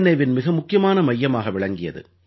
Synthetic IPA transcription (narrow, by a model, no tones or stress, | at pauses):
nɐɪʋɪnmɪɣɐmʊkːɪjɐmaːnɐmɐjːɐmaːɣɐʋɪɭɐŋɡɪjɐ̰ðɯ̰